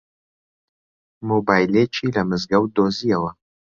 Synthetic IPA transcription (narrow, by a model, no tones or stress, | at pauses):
mobaːjleːt͡ʃʰiːlɐmɨzɡɐwd̪oːzijɐwɐ